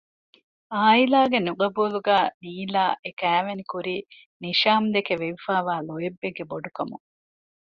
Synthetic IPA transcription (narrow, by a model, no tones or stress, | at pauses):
aːilaːɡenuɡɐbuːluɡæːniːlaːʔekæːʋenikuɾiː | niʃaːmd̪ekeʋeʋifaːʋaːlojebːeɡːeboɖukɐmṵ